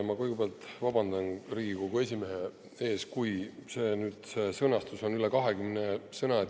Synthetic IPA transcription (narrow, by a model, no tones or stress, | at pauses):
mɑkujɡebeɑlt̪vɑbɑnd̪̥ɑnriːɡiko̞ɡ̥ue̞s̬ʲime̞ɦe̞ | e̞ːskujse̞ːnyːd̪̥se̞sɤnɑst̪uso̞nylekɑɦekymnesɤnɑ